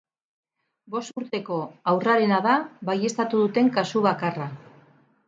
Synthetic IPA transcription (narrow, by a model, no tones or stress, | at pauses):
bo̞st̪uɾt̪e̞ko̞awraɾe̞naðaβaje̞st̪at̪uðut̪e̞ŋkasuβakara